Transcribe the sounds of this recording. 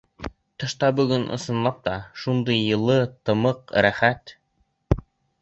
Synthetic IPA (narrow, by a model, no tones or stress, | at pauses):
t̪ɤ̆ʃt̪ɑbɵ̆ɡɵnʔɤ̰̆sɤ̆nlˠɑp̚t̪ɑʃund̪ɤjːɤ̆lˠɤt̪ɤ̆mɤqɾæχæt̪